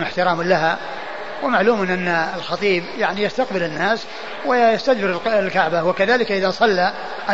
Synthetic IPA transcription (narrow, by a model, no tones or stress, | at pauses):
mɪħt̪ɪɾaːmlaɦa | wɪmaʕluːmɪnʔanːaɪlxɑt̪ˤiːbjaʕnijast̪aqbɪlɪnːaːs | wɪjast̪ad̪bɪɾɪllkaʕbawakaðaːlɪkʔɪðasˤɑlːa | ʔa